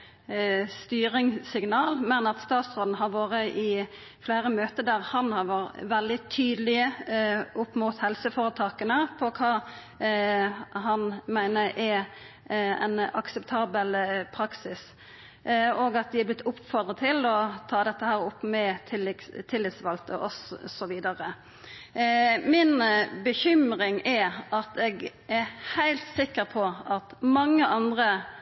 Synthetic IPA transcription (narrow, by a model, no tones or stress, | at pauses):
st̪yːɾɪŋsɪŋnɑːlmɛnɑt̪st̪ɑːt̪sʁoːln̩ɦɑɾʋoːʁəʔɪ | fleːɾəmøːt̪əd̪æʁhɑnhɑɾʋoːɾəʋɛld̪ɪt̪ʰyːd̪lɪə | ʊpːmʊt̪hɛlsəfoːʁət̪ʰɑːkənəpʰɔkʰɑː | hɑnmæɪnəɾʔɛ | ɛ̰nɑksəpt̪ʰɑːbəlpʰɾɑksɪs | oːɡɑt̪̚d̪ɪæblɪt̪ʰːʊpːfɔd̪ʁət̪ʰɪlɔt̪ʰɑːd̪ɛt̪ːəhæːɾʊpːmɛɪlt̪ʰɪlːɪt̪sʋɑlt̪ə̰ʔɔssɔʋiːd̪ɑʁə | mɪnbəçʏmɾɪŋɛʔɑt̪ɛɡ | æɾhæɪlt̪sɪkːəɾpʰɔʔɑt̪mɑŋːəʔɑnd̪ʁə